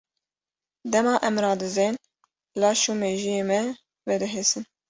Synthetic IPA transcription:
d̪ɛmɑːʔɛmɾɑːd̪ɨzeːn | lɑːʃuːmeːʒijeːmɛ | vɛd̪ɨɦeːsɨn

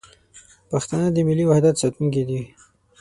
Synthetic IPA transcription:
paxt̪anəd̪əmɪlːiwahd̪at̪sat̪uŋked̪i

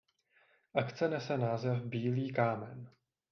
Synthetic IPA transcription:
ʔakt͡sɛnɛsɛnaːzɛfbiːliːkaːmɛn

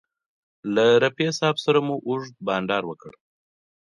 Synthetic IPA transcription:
laɾapesɑbsaɾamuʔuʐd̪̚bɑnɖɑɾwəkə̰ɽ

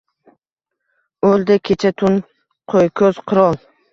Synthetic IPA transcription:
old̪akʲʰet͡ʃʰat̪ʰʊn | qʰojkʲʰɵz̥qʰʊɾɔlˠ

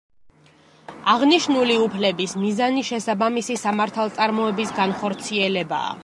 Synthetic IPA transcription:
aʁniʃnuliupʰlɛbismizaniʃɛsabamisisamaɾt̪ʰalˠt̪sʼaɾmɔɛbisɡanχɔɾt̪sʰiɛlɛba̰ː

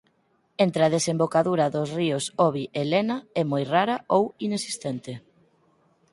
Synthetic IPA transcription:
ent̪ɾeɐð̞esembokaðuɾɐðʊsriʊsɔβiʔelenɐɛmojraɾɐowinesi̥st̪ent̪ɪ

